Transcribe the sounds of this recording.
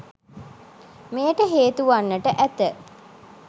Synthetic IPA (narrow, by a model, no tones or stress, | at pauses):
meːʈəɦeːt̪uʋanːəʈəʔæt̪ə